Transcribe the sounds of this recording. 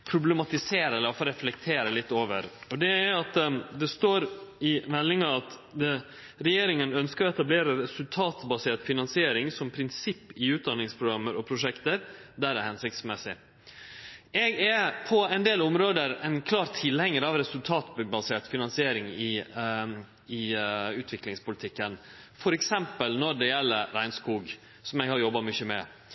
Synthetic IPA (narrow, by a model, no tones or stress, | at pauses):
pʰɾʊblɛmɑt̪ɪseːɾɛlːəfoɾɛflɛk̚t̪ʰeːɾəlɪt̪ːoːʋə̰ɾɔd̪ɛæɾɑt̪d̪ɛst̪oːɾɪmɛlːɪŋɑɑt̪d̪ə | ɾɛjeːɾɪŋənœnskəɾɔɛt̪ɑbleːɾəɾɛsʉlt̪ʰɑːt̪bɑseːʈ̪fɪnɑnsɪeːɾɪŋsɔmpʰɾɪnsɪpːɪʉːt̪̚d̪ɑnːɪŋspʰɾʊɡɾɑmːəɾɔpʰɾʊʂɛkt̪əɾd̪æɾæɾhɛnsɪk̚t̪smɛsɪ | ɛɡæpʰɔɛɪnd̪eːlʊmɾoːd̪əɾɛnkʰlɑːɾt̪ʰɪlhɛŋːəɾɑʋɾɛsʉlt̪ʰɑːt̪bɑseːʈ̪fɪnɑnsɪeːɾɪŋɪ | ɪʉːt̪ʰʋɪklɪŋspʊlt̪ʰɪkːən | fɔɾɛksɛmpəlnɔɖɛjɛlːəɾɾæɪnskuːɡ | sɔmɛɡhɑɾjɔbːɑmʏçəmɛ̰